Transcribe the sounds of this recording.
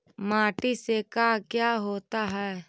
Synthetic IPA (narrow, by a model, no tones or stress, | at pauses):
maːʈisekakjaːɦoːt̪aɦɛː